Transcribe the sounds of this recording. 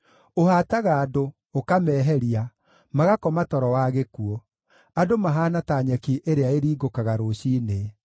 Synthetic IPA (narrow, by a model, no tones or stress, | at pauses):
ohaːtaɣaːdo | okamɛːɦɛɾia | maɣakɔmatɔɾɔwaːɣekuɔ | adomaɦaːnataːɲɛkiʔeɾeaeɾiːɡokaɣaɾoɕiːne